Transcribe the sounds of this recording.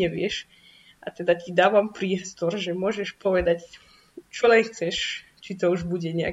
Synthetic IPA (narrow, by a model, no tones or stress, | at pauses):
ɛʋɪɛʃ | ʔat̪ɛd̪acid̪aːʋampɾɪiɛst̪ɔɾʒɛmʊɔʒɛʃpɔʋɛd̪ac | t͡ʃɔlɛnxt͡sɛʃ | t͡ʃit̪ɔuʒbuɟɛɲɛa̰